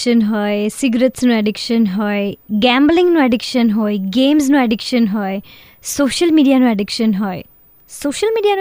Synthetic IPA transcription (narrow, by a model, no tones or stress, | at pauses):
ənɦɔjsiɡɾətsnuɛɖikʃənɦɔjɡɛmblĩŋnuɛɖikʃənɦɔjɡeːmznuɛɖikʃənɦɔe | soːʃəlmiːɖijanuɛɖikʃənɦɔe | soːʃəlmiːɖijan